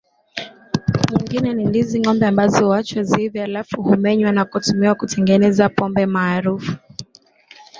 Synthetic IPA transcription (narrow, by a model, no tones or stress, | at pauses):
ɲiŋɡinɛnindiziŋɔmbɛambazɔwat͡ʃwazivjɔalafuhumɛɲwanakutumiwakutʰɛŋɡɛnɛzapɔmbɛmaːɾufu̥